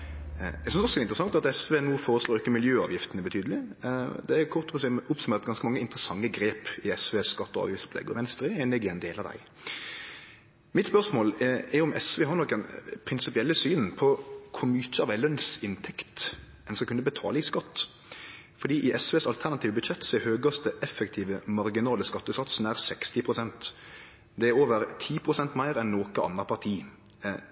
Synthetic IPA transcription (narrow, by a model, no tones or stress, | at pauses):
æɛɡsʏnsɔsɔɛɪnt̪ɾəsɑŋt̪ɑt̪ɛsʋeːnuːfoːɾəsloːɾɪkːəmɪljøːɑ̰ːʋjɪft̪ənəbɛt̪ʰyːd̪əlɪd̪ɛækʰʊʁt̪ːɔpɔsɛʊpsʉmeːʁt̪̚ɡɑnskəmɑŋːəɪnt̪əɾəsɑŋːəɡɾeːpɪɛsʋeːsskɑt̪ːɔɑ̰ːʋjɪftsɔ̥pʰlɛ̰ɡːə̰ʋɛnst̪ɾɪɛnɪɡɪɛnd̪eːlɑd̪æ̰ɪ | mɪt̪spœʁsmoːlɛʊmɛsʋeːɦɑɾnɔkːənpʰɾɪnsɪpɪɛlːəsyːnpʰɔkʰʊmyːt͡ʃəəɑʋ̪æɪlœnsɪnt̪ʰɛkt̪ | ɛnskɑkʉnːəbət̪ʰɑ̰ːləɪskɑt̪ː | fɔɾd̪iːʔɪʔɛsʋeːsɑlt̪ʰæʁnɑt̪iːʋəbʉd̪ʃɛt̪ːsɔɛhøːɡɑst̪əʔɛfɛkt̪ʰiːʋəmɑɾɡɪnɑːləskɑt̪ːəsɑt̪sn̩æɾsɛkst̪ɪpʰɾʊsɛnt̪ | d̪ɛæɾoːʋəɾt̪ʰiːpʰɾʊsɛnt̪mæɪɾɛnːoːkəɑ̰nːɑpʰɑʁt̪ʰiː